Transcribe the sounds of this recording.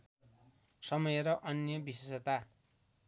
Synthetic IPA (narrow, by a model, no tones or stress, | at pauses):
sʌmʌjeɾʌʔʌnjʌbisesʌt̪a